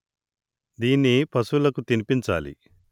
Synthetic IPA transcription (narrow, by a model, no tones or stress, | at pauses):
d̪iːnːipɐsulɐkut̪inipiɲt͡ʃa̰ːlḭ